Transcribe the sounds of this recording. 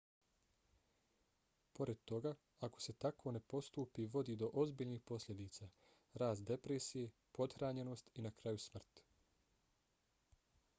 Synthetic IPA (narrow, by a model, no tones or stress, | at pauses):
po̞ɾe̞d̪̚t̪o̞ɡa | ako̞̥se̞t̪akʰo̞ne̞po̞st̪uːpiʋo̞d̪id̪o̞ʔo̞zbiːʎnixpo̞slʲʎʲe̞d̪iːt̪sa | ɾaːst̪̚d̪e̞pɾesije̞ | po̞d̪xɾaːɲe̞no̞ːst̪inakɾajusmr̩t̪